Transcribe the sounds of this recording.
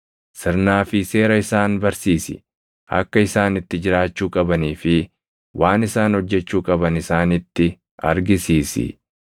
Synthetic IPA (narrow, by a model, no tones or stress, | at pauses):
sɪɾnaːfɪse̞ːɾɐɪsaːnbɐɾsiːsɪ̰ | ʔɐ̰kːɐɪsaːnɪt̪ːɪd͡ʒɪɾaːt͡ʃːuːkʼɐbɐniːfɪ | wʔaːnɪsaːnhɔd͡ʒːɛt͡ʃːuːkʼɐbɐnɪsaːnɪt̪ːɪ | ɐɾɡɪsiːsɪ̰